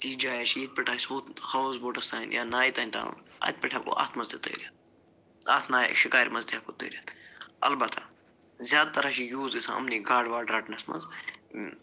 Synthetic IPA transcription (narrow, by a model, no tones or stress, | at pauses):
t̪iːd͡ʒaːjaʃiit̪̚pɪʈʰaːsoːt̪hɐwzboːʈɐst̪aːinjaːnaːjit̪aːinʲt̪a̰ːnṵna̰ːt̪̚pɪʈʰaːko̰ʔa̰ːt̪ʰmɐzt̪et̪ɐ̰ːɾijat̪̚ | aːt̪ʰnaːj̰ʃɪkaːjɾmɐzd̪iaːkot̪ə̰ːɾjat̪ɐ̰lbɐt̪ʰa̰ | zʲjaːd̪̚t̪ɐɾaʃijuːzisã̰ɐ̰mniɡaːɖʋaːɖɾaːʈnɐsmɐ̰z